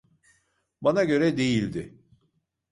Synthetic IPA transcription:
banaɟø̞ɾɛd̪e̞jilʲd̪ɪ

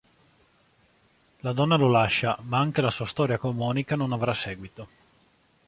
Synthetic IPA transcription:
lad̪ɔnːalolaʃːamaaŋk̟elasuast̪ɔːɾjakomɔːnikanonavɾasɛːɡwit̪o

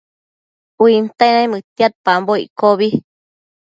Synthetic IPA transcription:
uint̪ainãĩmɨt̪iat̪̚pamboḭkoβi

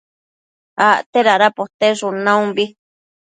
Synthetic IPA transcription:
aʔt̪eɾaɾapot̪eʂunãũmbi

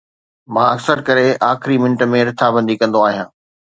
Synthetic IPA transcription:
mãːɐksəɾkɐɾeʔaːxɪɾimɪ̃ɳʈə̆mẽɾɪt̪ʰabɐ̃nd̪ikɐ̃nd̪oaːɦijãː

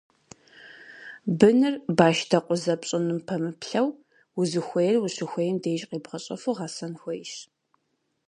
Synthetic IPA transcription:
bɨnɨrbaːʃtʰɐqʷʼʊzɐpɕʼɪnɨmpʰɐmɨpɬɐw | wʊzɨxʷejɛrwuɕɪxʷejɛmdejʒʼqiːbʁɐɕʼɐfuʁɑsɐnxʷɔjʃ

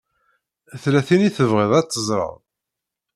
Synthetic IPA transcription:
θlæθiniθəvʁeðˤɑt͡sːəzˤɾˤə̰ðˤ

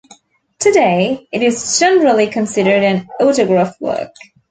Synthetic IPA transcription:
tʰɨdeɪɨɾɪzd͡ʒɛnəɹl̩ˠikʰɨ̃nsɪɾə˞ɾɨ̃noʊɾɨɡɹæfwɜ̰˞k

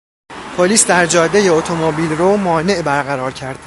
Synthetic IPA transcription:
pʰoliːsd̪æɾd͡ʒɒːd̪ːejeot̪ʰomobiːlromɒːne̞ʔbæɾɣæɾɒːɾcʰæɾd̪̥

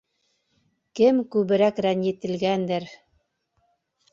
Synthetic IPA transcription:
kɘmkʉβɘ̆ɾækɾænjɘ̆t̪ɘ̆lɡænd̪ɘɾ

